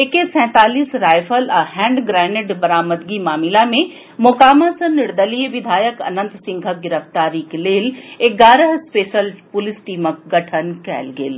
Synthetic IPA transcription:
ekesɛ̃ːt̪aːliːsɾaːjfʰəlɐɦɛ̃ːɳɖɡɾɛːnɪʈbɐɾaːməd̪ɡimaːmɪlamẽ | mʊkaːmãsɐ̃nɪɾd̪əliːʋɪd̪ʱaːjəkɐ̰nə̃nt̪sɪ̃ŋɡʱəɡɪɾəft̪aːɾiːkleːleɡaːɾəɦspeːʃəlpʊlɪsʈiːmək̚ɡɐʈʰənkɛ̰ːlɡḛl

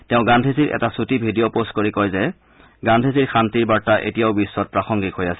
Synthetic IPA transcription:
tɛʊ̃ɡandʱesiɹʔɛ̰tasutibʱidijopostkoɹikɔjzɛ | ɡandʱesiɹkʰantiɹbaɹtaʔḛtijaʊbisːɔt̚pɹaxɔŋɡikɦojasɛ̥

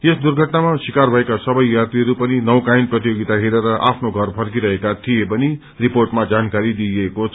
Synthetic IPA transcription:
esd̪urɡʱʌʈnamasikarbʱʌekasʌbʌjːart̪iɦʌɾupʌninʌwkajnprʌt̪ijoɡit̪aɦeɾʌɾʌʔa̰pʰnoɡʱʌrpʰʌrk̬iɾʌɦekat̪ʰijepʌni | riporʈmad͡zankaɾid̪ijekot͡sʰ

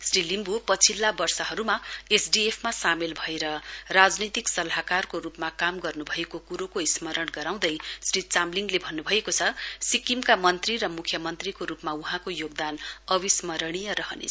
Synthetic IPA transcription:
srilimbupʌt͡sʰilːabʌrsʌɦʌɾumaesɖiepʰmasamelbʱʌeɾʌrad͡znʌjt̪iksʌlaɦakarkoɾupmakamɡʌrnubʱʌekokuɾokoismʌɾʌɽɡʌɾaw̃d̪ʌjsrit͡samliŋɡlebʱʌnːubʱʌekot͡sʰʌsikimkamʌnt̪riɾʌmukʰjʌmʌnt̪rikoɾupmauɦãkojoɡ̚d̪anʌbismʌɾʌɽ̃ijʌɾʌɦʌ̰nḛ

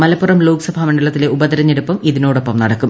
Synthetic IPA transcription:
mɐlɐpːurɐmloːksɐbʱamɐɳɖɐɭɐt̪ːile̞ubɐðɐɾɐɲːeɽupːɐmiðino̞ːɽopːɐmnɐɽɐkːum

